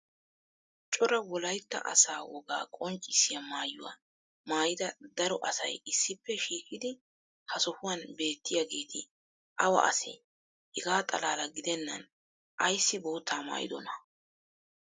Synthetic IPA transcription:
t͡ʃʼɔɾɐwɔlɐjt̪ːɐ̰ʔɐ̰saːwɔɡa̰ːkʼɔnt͡ʃʼːɪsɪjɐmaːjʊ̰wa̰ | maːjɪd̪ɐd̪ɐɾɔʔɐsɐ̰jɪsːɪpːɛʃiːkɪd̪ɪ | hɐsɔhʊwɐnbe̞ːt̪ːɪjaɡeːt̪ʰɪ | ʔɐwɐ̰ʔɐ̰sɪ̰ | hɛɡaːt̪ʼɐ̰laːlɐɡɪd̪ɛnːɐ̰n | ʔɐjsːɪboːt̪ːaːma̰ːjɪ̰d̪ɔnɐ

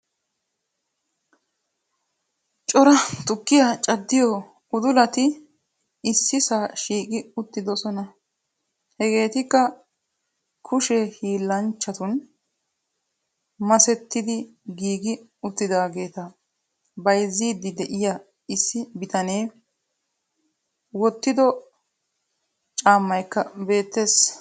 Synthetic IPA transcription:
t͡ʃʼɔɾɐt̪ʊkːɪjat͡ʃʼɐd̪ːɪjɔ | ʊd̪ʊlɐt̪ɪː | sːɪsaːʃiːkʼɪʊt̪ːɪd̪ɔsɔnɐ | hɛɡe̞ːt̪ɪkːɐ | kʰʊʃɛhiːlːɐnt͡ʃːɐt̪ʊn | mɐsɛt̪ːɪd̪ɪɡiːɡɪʊt̪ːɪd̪aːɡe̞ːt̪ɐ | bɐjzːiːd̪ɪd̪ɛʔɪjɐ | ɪsːɪbɪt̪ɐne̞ː | wɔt̪ːɪd̪ɔ | t͡ʃʼaːmːɐjkːɐbe̞ːt̪ːe̞ːs

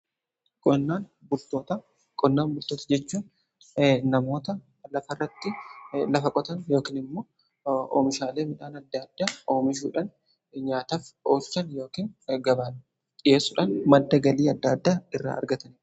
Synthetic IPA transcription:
kʼɔnːaːnbʊlt̪o̞ːt̪ɐ | kʼɔnːaːnbʊlt̪oːt̪ɐd͡ʒɛt͡ʃːuːn | nɐmo̞ːt̪ɐ | lɐfɐrːɐt̪ːɪlɐfɐkʼɔt̪ɐnjo̞ːkiːnɪmːoː | o̰ːmɪʃaːle̞ːmɪᶑaːnɐd̪ːad̪ːaːo̞ːmɪʃ̬ṵːᶑɐn | ɲaːt̪aːfoːlt͡ʃːɐnjo̞ːkiːnɡɐbaː | ᶑʼɪje̞ːsːʊᶑɐnmɐd̪ːɐɡɐliːɐd̪ːaːd̪ːaːɪrːa̰ːʔɐ̰ɾɡɐt̪ɐnɪ

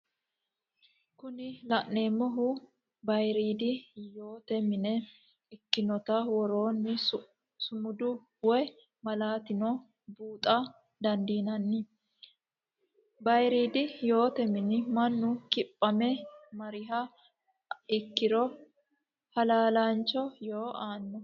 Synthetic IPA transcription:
kʊnɪlɐʔne̞ːmːɔɦʊ | bɐjɾiːd̪ɪjo̞ːt̪ɛmɪnɛ | ɪkːɪnɔt̪ɐwɔɾoːnːɪ | sʊmʊd̪ʊ | wɔj | mɐlaːt̪ɪnɔ | buːt̪ʼɐ | d̪ɐnd̪iːnɐnːɪ | bɐjɾiːd̪ɪjo̞ːt̪ɛmɪnɪmɐnːʊkɪpʼːɐmɛmɐɾɪɦɐ | ɪkːɪɾɔ | hɐlaːlant͡ʃːɔjoːʔaːnːɔ

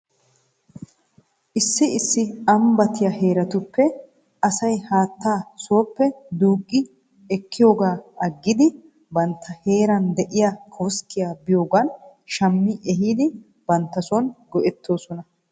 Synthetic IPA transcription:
ʔɪsːɪɪsːɪɐmbɐt̪ɪjahe̞ːɾɐt̪ʊpːɛ | ɐsɐjhaːt̪ːaːsoːpːɛd̪uːkʼːɪ | ɛkːɪjo̞ːɡaːɐɡːɪd̪ɪ | bɐnt̪ʰːɐhe̞ːɾɐnd̪ɛʔɪjakʰoːskːɪjaːbɪjoːɡɐnʃɐmːɪʔɛɦiːd̪ɪ | b̥ɐnt̪ːɐsɔnɡɔʔɛt̪ːo̞ːsɔnɐ

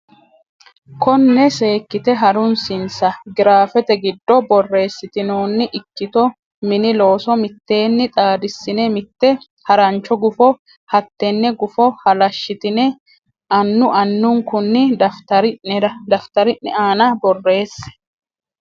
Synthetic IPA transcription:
kɔnːɛse̞ːkːɪt̪ɛɦɐɾʊnsɪnsɐɡɪɾaːfɛt̪ɛɡɪd̪ːɔbɔrːe̞ːsːɪt̪ɪno̞ːnːɪʔɪkːɪt̪ɔ | mɪnɪlo̞ːsɔmɪt̪ːe̞ːnːɪt̪ʼaːd̪ɪsːɪnɛmɪt̪ːɛ | hɐɾɐnt͡ʃːɔɡʊfɔ | hɐt̪ːɛnːɛɡʊfɔhɐlɐʃːɪt̪ɪnɛ | ɐnːʊʔɐnːʊŋkʊnːɪd̪ɐft̪ɐɾd̪ɐft̪ɐɾɪnːɪaːnɐbɔrːe̞ːsːɛ̥

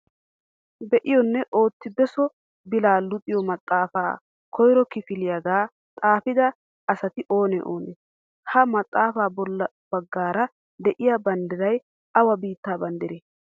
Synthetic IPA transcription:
bɛʔɪjɔnːɛʔo̞ːt̪ːɪbɛsɔ | bɪlaːlʊt̪ʼɪjɔmɐt̪ʼːaːfa̰ː | kʰɔjɾɔkɪfɪlɪjɐɡaː | t̪ʼaːfɪd̪ɐ | ɐsɐt̪ɪʔo̞ːnɛʔo̰ːne | hɐmɐt̪ʼːaːfaːbɔlːɐ | b̥ɐɡːaːɾɐ | d̪ɛʔɪjabɐnd̪ɪɾɐj | ɐwɐbiːt̪ːaːbɐnd̪ɪɾeː

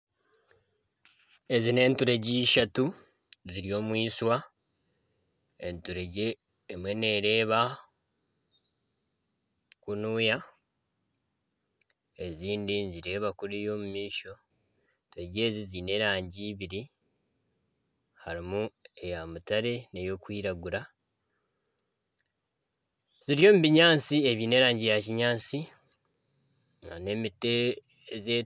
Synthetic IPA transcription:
e̞zine̞ːntuɾe̞ɟiːʃatu | ziɾio̞ːmwiːswa | entuɾeɟeː | mwe̞ne̞ɾe̞ːβa | kunuja | e̞ziːndinziɾe̞ːβakuɾijo̞ːmumiːʃo̞ | toɟe̞ːzizine̞ɾaːɲɟiːβiɾi | haɾimue̞jamutaɾe̞ne̞jo̞kwiːɾaɡuɾa | ziɾjo̞ːmuβiɲaːnt͡sie̞βiːne̞ːɾaːɲɟijaciɲaːt͡si | ane̞mite | ze

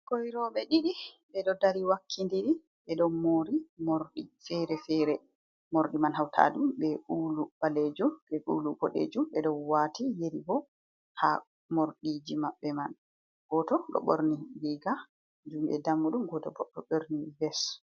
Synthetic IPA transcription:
kojɾɔɓɛɗiɗi | ɓɛɗɔdaɾiwakʰːindiɗi | ɓɛɗɔmoɾimoɾɗifɛɾɛfɛɾɛ | moɾɗimanɦawtʰa̰ɗumɓɛʔuːlub̥aled͡ʒumbɛʔṵlubɔɗḛd͡ʒumɓɛɗɔnwatijeɾibɔ | ha̰ | moɾɗid͡ʒimaɓːɛman | ɡ̥ɔtɔɗɔ̰ɓoɾniliɡa | d͡ʒumɓɛ̰damːuɗumɡɔtɔbɔɗɔɓoɾnibɛs

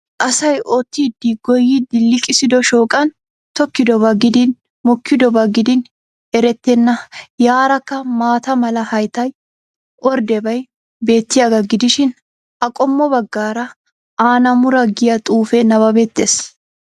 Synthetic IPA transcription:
ʔɐsɐjoːt̪ːid̪ːiɡɔjːɪd̪ɪlːɪkʼɪsɪd̪ɔʃoːkʼɐn | t̪ɔkːɪd̪ɔbɐɡɪd̪ɪn | mɔkːɪd̪ɔbɐɡɪd̪ɪn | ɛɾɛt̪ːɛnːɐjaːɾɐkːɐmaːt̪ɐmɐlɐhɐjt̪ɐj | ʔɔɾd̪ɛbɐj | be̞ːt̪ːɪjaɡɐɡɪd̪ɪʃɪn | ɐkʼɔmːɔbɐɡːaːɾɐ | ʔaːnɐmʊɾɐɡɪjɐt̪ʼuːfɛnɐbɐbeːt̪ːeːs

